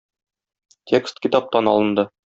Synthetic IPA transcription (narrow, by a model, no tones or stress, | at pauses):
t̪ʲʰekst̪kʲit̪ɑp̚t̪ɑnɒlˠɤ̆nd̪ɤ